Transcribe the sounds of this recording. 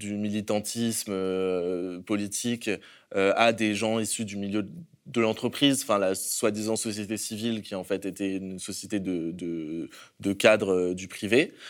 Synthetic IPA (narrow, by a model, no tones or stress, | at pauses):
d̪ymilit̪ɑ̃t̪ʰismø | pɔlit̪ʰikʲ | øad̪eʒɑ̃isyd̪ymiljø | d̪əlɑ̃t̪χəpχizɑ̃fɛ̃laswad̪izɑ̃sɔsjet̪esivilkʲiɑ̃fɛt̪et̪ɛynsɔsjet̪ed̪əd̪əd̪əkʲad̪ʁød̪ypχive